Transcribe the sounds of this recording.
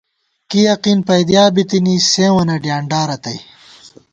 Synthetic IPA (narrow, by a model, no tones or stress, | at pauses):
kijɐqiːnpɐjd̪jaːbit̪inisẽːwɐnɐɖjaːɳɖaːɾɐt̪ɐj